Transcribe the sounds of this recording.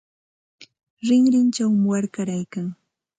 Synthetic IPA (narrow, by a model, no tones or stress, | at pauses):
ɾɪŋɾɪnt͡ʃawmɪwaɾkaɾajkaŋ